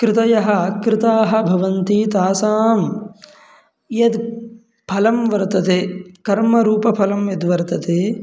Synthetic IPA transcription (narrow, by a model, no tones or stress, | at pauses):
kɾɪt̪ɐjɐɦɐ̆kɾɪt̪aːɦɐ̆bʱɐʋɐnt̪iːt̪aːsaːm | jɐd̪ | pʰɐlɐmʋɐɾt̪ɐt̪eːkɐɾmɐɾuːpɐpʰɐlɐmjɐd̪ʋɐɾt̪ɐt̪eː